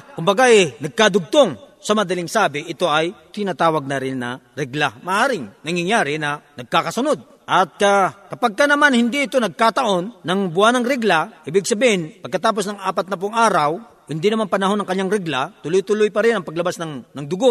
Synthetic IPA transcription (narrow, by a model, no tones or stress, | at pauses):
kʊmbɐɡaʔɛnɐɡ̚kad̪ʊɡ̚t̪oŋsɐmɐd̪ɐlɪŋsaːbɪʔɪt̪o̞ʔɐjt̪ɪnaːt̪aːwɐɡ̚nɐɾɪnːɐ̰ | ɾɛɡlamɐʔaːɾɪŋnɐŋjaŋjaːɾɪnɐnɐɡ̚kaːkɐsʊno̞d̪̚ | ʔɐt̪̚kakɐpaɡ̚kɐnɐmanhɪnd̪iɪt̪o̞nɐɡ̚kaːt̪ɐʔo̞nːɐŋbʊhanɐŋɾɛɡlaʔiːbɪɡ̚sɐbihɪnpɐɡ̚kːɐt̪aːp̬o̞snɐŋʔaːpɐt̪̚nɐp̬ʊŋʔaːɾɐw | hɪnd̪inɐmanpɐnɐɦo̞nːɐŋkɐnɲːaŋɾɛɡlat̪ʊlʊjt̪ʊlʊjpɐɾɪnɐŋpɐɡlɐbasnɐŋnɐŋd̪ʊɡoʔ